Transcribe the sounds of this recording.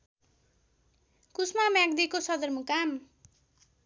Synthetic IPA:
kusmamjaɡd̪ikosʌd̪ʌrmukam

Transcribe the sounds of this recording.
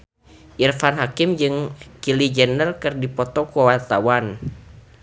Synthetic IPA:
ʔirfanɦakimd͡ʒɨŋkilid͡ʒɛnəlkɨrdipɔt̪ɔkuawart̪awan

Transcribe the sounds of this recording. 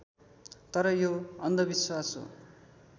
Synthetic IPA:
t̪ʌɾʌjoʌnd̪ʌbiswasɦo̰

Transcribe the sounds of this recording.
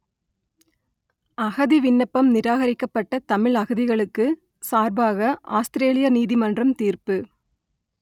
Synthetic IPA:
ɐɣɐðiʋɪnːɐpːɐmnɪɾaːɣɐɾɪkːɐpːɐʈːɐt̪ɐmɪɭɐɣɯðɪɣɐɭɯkːɯ | saːɾbaːɣɐʔaːst̪ɪɾeːlɪjɐniːðɪmɐndrɐmt̪iːrpɯ

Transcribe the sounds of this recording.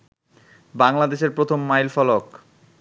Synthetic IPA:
baŋlad̪eʃeɾpɾot̪ʰomːajlfɔlok

